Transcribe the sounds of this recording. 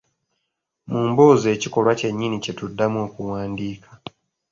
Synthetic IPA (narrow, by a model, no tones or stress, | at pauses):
muːmboːze̞ːciko̞lwace̞ɲːinice̞tudːamuo̞ːkuwaːndiːkʰḁ